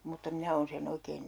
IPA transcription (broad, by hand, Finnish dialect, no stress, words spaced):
mutːɑ minæ oːn sen oikeːn